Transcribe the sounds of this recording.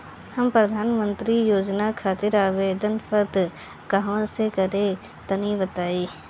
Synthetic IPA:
hɐmpɾɐd̪ʱaːnmə̃nt̪ɾijoːd͡ʒnakʰaːt̪ɪɾaːʋeːd̪ənfəɾt̪ | kɐɦãsekɐɾẽ | t̪ɐnibɐt̪aːiː

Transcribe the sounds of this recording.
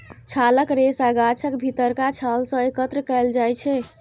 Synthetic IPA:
t͡ʃʰaləkɾesaɡat͡ʃʰəkbʱit̪əɾkat͡ʃʰalsə̃ekət̪ɾəkɛjld͡ʒajt͡ʃʰɛ

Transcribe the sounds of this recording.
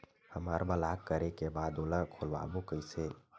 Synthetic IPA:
həmaɾbəlaːkkəɾekebaːd̪oːlə̃kʰolʋa̰ːbõkəɪse

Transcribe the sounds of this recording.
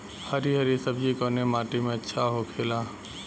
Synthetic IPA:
həɾiɦɐɾisəbd͡ʒikoːnemaːʈimẽɐtːʃʰaɦokʰeːlaː

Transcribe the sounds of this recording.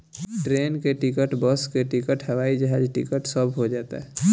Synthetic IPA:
ʈɾeːnkeʈɪkəʈbəskeʈikəʈɦəʋaːid͡ʒəɦaːd͡ʒʈɪ̰kəʈsəbʱɦod͡ʒaːt̪ḛɦɛ

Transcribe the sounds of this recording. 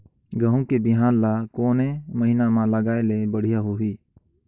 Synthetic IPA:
ɡəɦũkebɪɦaːnlakoːnẽməɦinamãləɡaːelebəɽ̤ijaɦʊɦiː

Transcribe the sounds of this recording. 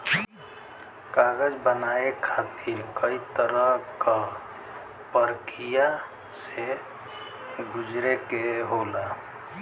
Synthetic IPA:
kaɡəd͡ʒbənaekʰat̪ʰiɾkəit̪əɾəɦka | pəɾkija | se | ɡʊd͡ʒɾekeɦola

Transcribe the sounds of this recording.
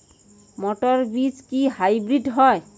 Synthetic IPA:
mɔʈɔɹbid͡ʒkihajbɹiɖɦɔj

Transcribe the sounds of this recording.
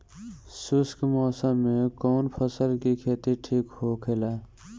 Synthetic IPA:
suskmɔːsəːẽkɔːnpʰəsəlkikʰeːt̪iʈʰiːkɦokʰela

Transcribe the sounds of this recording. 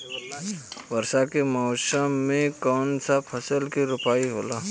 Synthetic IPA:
ʋəɾsakemɔːʊsəmːẽkɔːnsapʰɐsəlkiɾʊpaːiɦoːlaː

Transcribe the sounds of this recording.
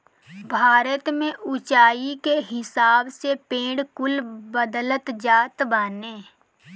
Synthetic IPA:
bʱaːɾət̪mẽʔʊt͡ʃaːikeɦɪsaːbsepẽːɽkʊlbəd̪ələt̪d͡ʒaːt̪baːneː

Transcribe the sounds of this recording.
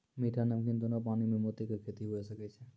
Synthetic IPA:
miʈʰanəmkĩnt̪unopanimẽmot̪ikəɾkʰet̪iɦoesəkɛt͡ʃʰe

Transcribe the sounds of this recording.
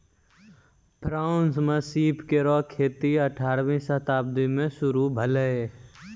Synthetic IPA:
bɾaʊnsmẽsiːpkeɾɔːkʰːeːt̪iəʈʰaːɾʋĩsət̪aːb̚d̪imẽʃʊɾubʱələe

